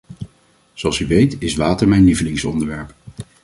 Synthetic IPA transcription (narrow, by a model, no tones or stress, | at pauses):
z̥oɑlˠsyʋejtɪsʋaːtəɹmɛjnlivəlɪŋsɔ̰ndəɹʋɛɹp